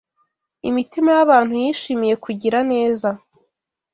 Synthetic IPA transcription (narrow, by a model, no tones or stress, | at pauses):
ḭmitimajaβaːn̥hujiːʃiːmije̞kʰuɟiɾane̞ːza